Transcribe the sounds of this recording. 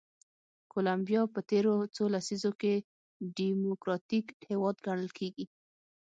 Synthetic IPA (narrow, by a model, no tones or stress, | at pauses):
kolambjɑpət̪eɾot͡solasizoke | ɖimokɾɑt̪ikhewɑd̪ɡaɳ̃əlkʰeɡi